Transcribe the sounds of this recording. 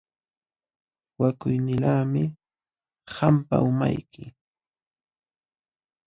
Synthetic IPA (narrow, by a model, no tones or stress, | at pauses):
wakʊjnɪlaːmɪ | hampa̰ʊma̰jkɪ